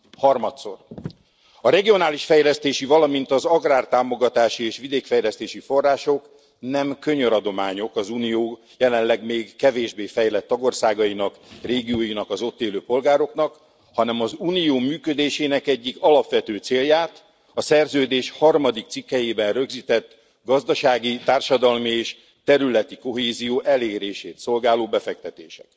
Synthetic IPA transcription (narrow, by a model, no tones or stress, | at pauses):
hɒrmɒt̪so̞̰r | ɒɾɛɡijo̞naːliʃfɛjlɛst̪eːʃivɒlɒmint̪ɒzɒɡraːrt̪aːmo̞ɡɒt̪aːʃieːʃʋid̪eːkfɛjlɛst̪eːʃifo̞rːaːʃo̞k | nɛmkø̞ɲøɾɒd̪o̞maːɲo̞kɒzuːnijoː | jɛlɛnlɛɡmeːɡːɛveːʒbeːfɛjlɛt̪ːɒɡo̞rsaːɡɒinɒkreːɡijoːjinɒkɒzo̞t̪ːeːløːpo̞lɡaːɾo̞knɒk | hɒnɛmɒzuːnijoːmyːkød̪eːʃeːnɛkɛɟːikɒlɒpʋɛt̪øːt̪seːljaːt̪ | ɒsɛrzøːd̪eːʃhɒrmɒd̪ik̚t̪sikːɛjeːbɛnrø̞ɡziːt̪ɛt̪ː | ɡɒzd̪ɒʃaːɡit̪aːrʃɒd̪ɒlmieːʃ | t̪ɛɾylɛt̪iko̞ɦeːzijoːʔɛleːɾeːʃeːt̪so̞lɡaːloːbɛfɛk̚t̪ɛt̪ḛːʃɛ̥k̚